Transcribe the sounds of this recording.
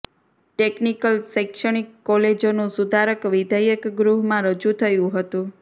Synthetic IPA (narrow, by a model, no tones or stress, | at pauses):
ʈeknikəlsəkʃəɳ̃ikːɔled͡ʒonũsud̪ʱaɾəkʋid̪ʱəjəkɡɾuɦmãɾəd͡ʒut̪ʰəjũɦət̪ũ